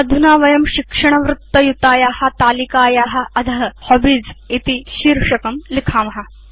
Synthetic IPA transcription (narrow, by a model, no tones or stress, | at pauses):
ɐd̪ʱunaːʋɐjɐmʃikʂɐɳɐʋɾut̪ːɐjut̪aːjaːhɐ̆t̪aːlikaːjaːɦɐ̆ɐd̪ʱɐɦɐhobid͡zit̪iʃiːɾʂɐkɐmlikʰaːmɐɦɐ̆